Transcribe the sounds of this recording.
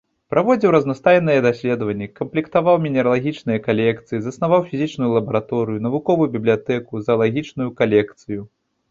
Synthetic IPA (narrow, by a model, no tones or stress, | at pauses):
pɾʔavɔd͡zʲiwɾɐznast̪ajnɨjɛd̪asʲlʲɛd̪ɐvɐnʲːɛkɐmplʲikt̪avawmʲinʲɛɾɐlˠaɣʲit͡ʂnɨjɐkalʲɛkt̪sɨjizɐsnavawfʲizʲit͡ʂnujulˠɐbɐɾat̪ɔɾɨjunɐvukɔvujubʲiblʲijat̪ɛkuzɐɐlˠaɣʲit͡ʂnujukalʲɛkt̪sɨju